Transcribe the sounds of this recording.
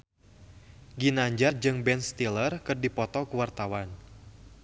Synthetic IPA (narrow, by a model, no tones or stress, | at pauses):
ɡinaɲd͡ʒard͡ʒɨŋbɛnst̪ilərkɨrdipɔt̪ɔkuwart̪awan